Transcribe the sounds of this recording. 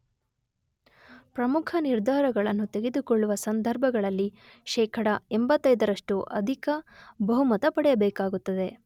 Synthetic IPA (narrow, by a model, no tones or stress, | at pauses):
pɾɐmukʰɐniɾd̪ʱaːɾɐɡɐɭɐnːut̪e̞ɡe̞d̪ukɔɭːuʋɐsɐnd̪ʱɐɾbʱɐɡɐɭɐlːi | ʃɛːkʰɐɽɐembɐt̪ːɐjd̪ɐɾɐʂʈuʔɐ̰d̪ʱikɐbɐɦumɐt̪ɐpɐɽɛjɐbɛːkaːɡut̪ːɐd̪e̞